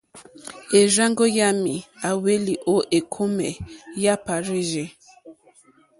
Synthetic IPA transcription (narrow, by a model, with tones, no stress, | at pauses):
e˨ɾa˦ŋɡo˦ja˦mi˨a˨we˦li˨ʔo˦ʔe˨kʰo˦mɛ̰˨ja˦pa˨ɾe˦ʒe˨